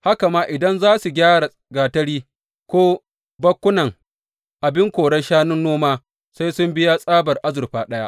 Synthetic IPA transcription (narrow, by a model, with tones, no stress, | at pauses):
ha˦ka˨maː˦ʔɪ˨dɐ˦nzaː˦su˨ɡʲaː˦ɽa˨ | ɡaː˨tɐ˦ɽiː˦ | kʷoː˦ | bɐ˦kʷːʊ˦nɐ˨ŋ | ʔa˨bɪ˦ŋkʷoː˨ɽɐ˦ʃaː˦nʊ˦nːoː˦maː˦ | sa˦jsʊ˦mbɪ˦ja˦sʼaː˦bɐ˨rʔa˦zʊ˨rɸaː˦ɗɐ˦ja˦ʔ